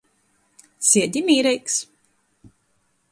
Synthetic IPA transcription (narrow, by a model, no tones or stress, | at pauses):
sʲiɛd̪ʲimiːɾɛjks